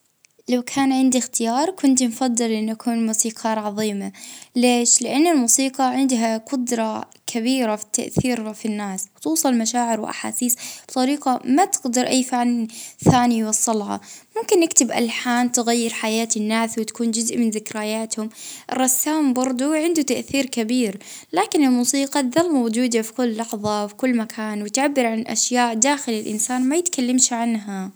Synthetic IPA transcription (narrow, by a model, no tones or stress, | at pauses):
lawkʰaːnʕɪnd̪ixt̪ɪjɑːɾˤkʊnt̪nfɑd̪ˤːɨlʔɪnːʔakʰuːnmuːsiːqʰɑɾʕɑðˤiːmaleːʃlɪʔanːɪlmuːsiːqɑʕɪnd̪ɦaqʊd̪ɾˤɑ | kʰabiːɾafi̥t̪ːa̰ʔθiːɾfinːaːswt̪uːsˤɑlmaʃaːʕɪɾwʔa̰ħa̰ːsiːsb̥t̪ˤɑɾiːqɑmat̪ɪɡd̪ɑɾʔajːfɪʕlθaːnijwɑsˤːɑlʕɑ̰mʊmkɪnːɪkt̪ɪbʔa̰lħaːnt̪ɪɣajːɪɾħajaːt̪ɪnːaːswɪt̪ḁkuːnd͡ʒʊzʔmɪnzɪkɾajaːt̪hʊmʔrˤːɑsːaːmbɑɾˤd̪ˤuʕɪnd̪ut̪aʔθiːɾkabiːɾlaːkɪnɪlmuːsiːqɑðɑlmowd͡ʒuːd̪afi̥kʊlːɑħðˤɑfi̥kʊlːmakʰaːnwɪt̪ʕabːɪɾʕanʔa̰ʃjaːʔd̪aːxɪlɪlʔɪ̰nsaːnmajɪt̪kalːamʃʕanɦa